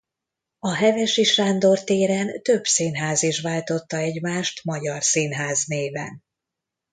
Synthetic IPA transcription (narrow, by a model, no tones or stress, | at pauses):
ɒɦɛvɛʃiʃaːnd̪o̞rt̪eːɾɛnt̪ø̞bsinɦaːziʃʋaːlt̪o̞t̪ːɒɛɟmaːʃt̪mɒɟɒrsinɦaːzneːvɛ̰n